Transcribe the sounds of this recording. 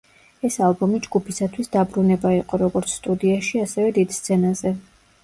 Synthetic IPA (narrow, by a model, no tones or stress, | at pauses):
ɛsalˠbɔmid͡ʒɡupʰisat̪ʰwisd̪abɾunɛbaiqʼɔɾɔɡɔɾt̪sʰst̪ʼud̪iaʃiasɛvɛd̪id̪̥st̪sʰɛnazɛ